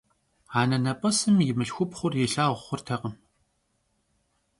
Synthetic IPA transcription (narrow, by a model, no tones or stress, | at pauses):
aːnɐnɐpʼɐsɨmjɪmɨɬxʷʊpχʷʊrjɪɬaːʁʷχʷʊrtʰɐqəm